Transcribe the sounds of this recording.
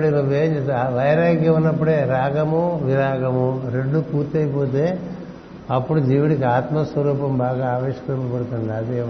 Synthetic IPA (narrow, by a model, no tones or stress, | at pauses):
ɽiɾubeːɲd͡ʒeʋɐjɾaːɡjɐunːɐp̬ːuɽeːɾaːɡɐmuʋiɾaːɡɐmuɾeɖːupuːɾt̪ɐjipoːt̪̬eː | ɐpːuɽud͡ʒiːʋiɽikiaːt̪mɐsʋɐɾuːpɐmbaːɡaaːʋeːʃɐ̥kɾɐmɐpɐɽut̪uɳɖiɐd̪e